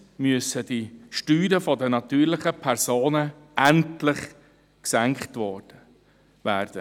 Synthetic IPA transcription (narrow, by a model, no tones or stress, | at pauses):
myəsədiʃtyːɾəfɔdənɑt̪yːɾlɪχəpʰɛɾsoːnə | æntlɪχ | ksæŋkχtʋɔɾd̥ə | væːɾd̥ə